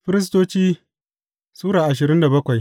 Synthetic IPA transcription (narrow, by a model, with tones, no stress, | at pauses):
ɸɪ˦ɾɪ˦s̬toː˦t͡ʃiː˦ | suː˦ɽaː˨ʔa˨ʃɪ˨ɾɪ˦nda˨bɐ˦kʷa˨j